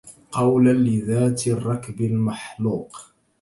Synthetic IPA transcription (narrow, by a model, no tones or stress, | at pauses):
qɑwlanlɪðaːt̪rˤːɑkbɪlmaħluːq